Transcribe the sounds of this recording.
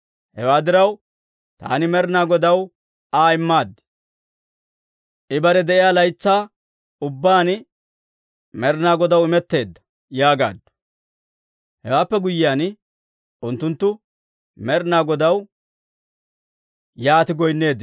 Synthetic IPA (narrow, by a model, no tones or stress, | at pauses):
hɛwaːd̪ɪɾɐw | t̪a̰ːnɪmɛɾnaːɡɔd̪ɐw | aːɪmːaːd̪ːɪ̥ | ʔɪbɐɾɛd̪ɛʔɪjaːlɐjt͡sːaː | ʊbːaːn | mɛɾnaːɡɔd̪ɐwɪmɛt̪ːe̞ːd̪ːɐ̥ | jaːɡa̰ːd̪ːɐ̥ | hɛwaːpːɛɡʊjːɪjaːn | ʊnt̪ːʊnt̪ːʊ | mɛɾnaːɡɔd̪ɐw | jaːt̪ɪɡɔjnːe̞ːd̪